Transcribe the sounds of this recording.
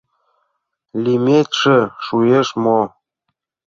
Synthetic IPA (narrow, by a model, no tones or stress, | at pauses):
lʲimʲet̪ʲʃĕʃueʃmo